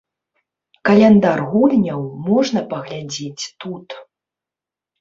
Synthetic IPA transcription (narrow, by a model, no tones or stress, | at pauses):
kɐlʲɛnd̪arɣulʲnʲɐwmɔʐnɐpɐɣlʲad͡zʲet͡sʲt̪ut̪